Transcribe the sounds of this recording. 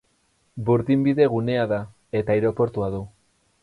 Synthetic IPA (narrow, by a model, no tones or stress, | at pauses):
buɾðimbiðe̞ɣune̞aða | e̞t̪aiɾo̞po̞ɾt̪uaðu